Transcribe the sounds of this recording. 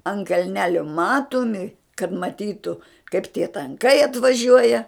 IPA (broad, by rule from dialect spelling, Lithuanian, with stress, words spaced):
ɐnt kɐlʲˈnʲæːlʲoː ˈmɑːtoːmʲɪ kɐt mɐˈtʲiːtʊ kɐɪp tʲiɛ tɐŋˈkɐɪ ɐtʋɐˈʒʲuɔjɛ